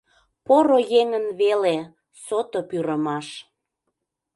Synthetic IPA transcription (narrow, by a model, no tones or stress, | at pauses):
poɾojeŋənβele | sot̪opyɾəmɑʃ